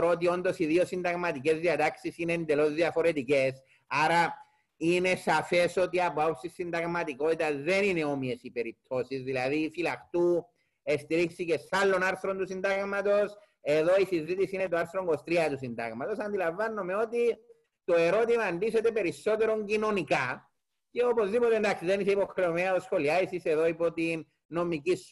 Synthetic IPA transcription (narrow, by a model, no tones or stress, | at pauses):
ɾot̪̬io̞nd̪o̞siðiosind̪ɐɣmɐt̪ike̞zðiɐt̪aksisineend̪e̞lo̞zðiɐfo̞ɾe̞t̪ice̞s | aɾɐ | ine̞safe̞so̞t̪iɐpoapsisːind̪ɐɣmɐt̪iko̞t̪it̪ɐzðe̞nine̞o̞mie̞sipe̞ɾip̚t̪ʰo̞sizðilɐðifilɐxt̪u | est̪iɾiksice̞salːo̞naɾθɾont̪usind̪aɣmɐt̪o̞s | e̞ðo̞isizit̪isinet̪oaɾθɾoŋɡo̞st̪ɾiɐt̪usind̪ɐ̰ɣmɐt̪o̞sɐnd̪ilɐɱvːɐnːomeo̞t̪i | t̪o̞e̞ɾo̞t̪imɐːnd̪iset̪e̞pe̞ɾisːo̞t̪e̞ɾo̞ɲɟino̞nika | ce̞o̞po̞zðipot̪end̪aksiðe̞niseipo̞xɾeomeɐt̪osxo̞liaisise̞ðo̞ipot̪i | no̞micis